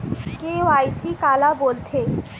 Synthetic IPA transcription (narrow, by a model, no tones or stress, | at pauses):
keoajsikalabolt̪ʰe